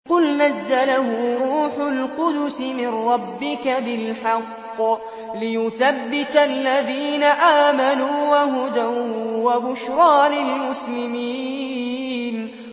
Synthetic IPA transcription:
qʊlnazːalahʊɾˤuːħʊlqʊd̪ʊsɪmɪnɾˤɑbːɪkabɪlħɑqː | lɪjʊθabːɪt̪alːaðiːnaʔaːmanuːwaɦʊd̪awwabʊʃɾˤɑːnɪlmʊslɪmiː | n

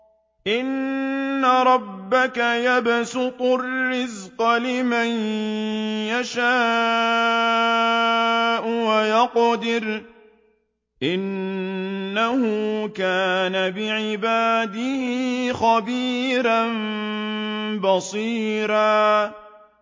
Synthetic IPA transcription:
ʔɪnː | aɾˤɑbːakajabsʊt̪ˤʊrːɪzqɑlɪman | jaʃaː | ʔʊwajɑqd̪ɪɾ | ʔɪnː | ahʊkaːnabɪʕɪbaːd̪ɪhɪxabiːɾan | bɑsˤiːɾaː

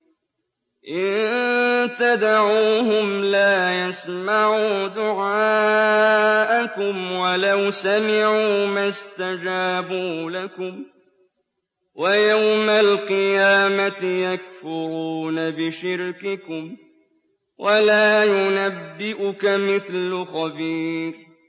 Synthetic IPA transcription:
ʔɪn | t̪ad̪aʕuːhʊmlaːjasmaʕuːd̪ʊʕaː | ʔakʊmwalawsamɪʕuːmast̪ad͡ʒaːbuːlakʊm | wajawmalqɨjaːmat̪ɪjakfʊɾuːnabɪʃɪɾkɪkʊm | wʔalaːjʊnabːɪʔʊkamɪθlʊxɑbiːɾ

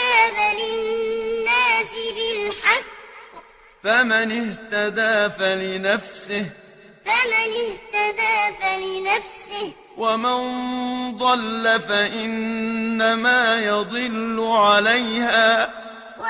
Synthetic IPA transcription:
aːbalɪnːaːsɪbɪlħaqː | famɪnɪht̪ad̪aːfalɪnafsɪh | famɪnɪht̪ad̪aːfalɪnafsɪh | wamand̪ˤɑlːafaʔɪnːamaːjɑd̪ˤɨlːʊʕalajhaː

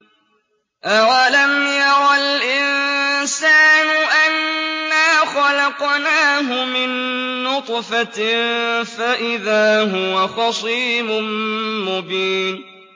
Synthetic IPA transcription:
ʔawalamjɑɾɑlʔɪnsaːnʊʔanːaːxɑlɑqnaːɦʊmɪnːʊt̪ˤfa | faʔɪðaːɦʊwaxɑsˤiːmʊmmʊbiːn

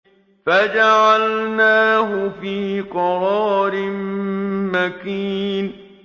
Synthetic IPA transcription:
fad͡ʒaʕalnaːɦʊfiːqɑɾɑːɾɪmmakiːn

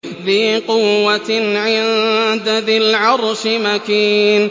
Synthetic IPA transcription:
ðiːqʊwːaʕɪnd̪aðɪlʕɑɾˤʃɪmakiːn

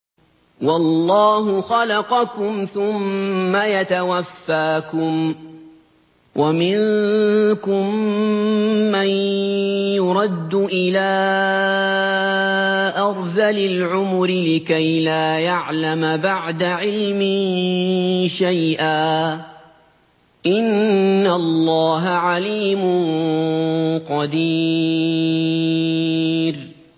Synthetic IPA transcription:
wɑlːɑːɦʊxɑlɑqɑkʊmθʊmːajat̪awafːaːkʊm | wʔamɪn | kʊm | an | jʊɾˤɑd̪ːʊʔɪlaː | ʔɑɾˤðalɪlʕʊmʊɾɪlɪkajlaːjaʕlamabaʕd̪aʕɪlmɪ | ʃajʔaː | ʔɪnːalˤːɑːɦaʕaliːmʊn | qɑd̪i | ɾ

